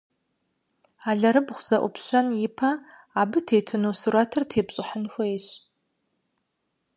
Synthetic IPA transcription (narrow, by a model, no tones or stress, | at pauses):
aɮɐɾɨbʁʷz̥ɐʔʷʊ̰pʰɕʷanjɪpʰa | abɨtʰeːtʰɨnosɨratʰɨrtʰeːbɕʼɪħənxʷɐeɕ